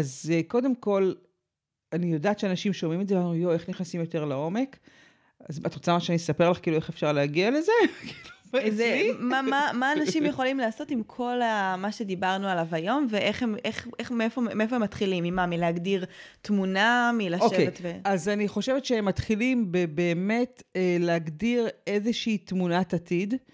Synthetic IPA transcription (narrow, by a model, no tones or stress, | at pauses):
azko̞de̞mko̞l | anijo̞daːt̪t͡ʃeanaʃimʃomimetzeamanujoe̞χniχnasimjo̞t̪e̞ʁlao̞me̞k | azat̪ot͡samaʃeanisapeʁlaχkiːlue̞χefʃaʁleaɡiale̞ze̞kiluzemamamaːnaʃimjeχo̞limlaːso̞timkʰo̞lamaʃe̞dibaʁnualavajo̞mveʔeχhemeχʔeχmiefomiefoemːat̪χilimimamileaɡdiʁ | tmunamilaoʃkejvet̪veazaniχoʃevetʃeemːatχilimbebe̞ːme̞teleaɡdiʁe̞zeʃiːtmunatatid